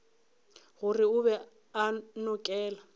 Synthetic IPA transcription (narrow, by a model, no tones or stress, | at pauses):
ɣʊrɪʊβɛ | anʊkʼɛːla